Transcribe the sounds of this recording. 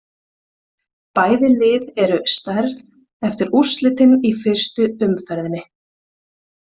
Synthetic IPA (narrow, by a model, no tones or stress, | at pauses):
paːjðɪlɪːðɛɾʏst̪aɾð | ɛft̪ɪɾuslɪt̪ɪnifɪr̥st̪ʏʏmfɛɾðɪnːɪ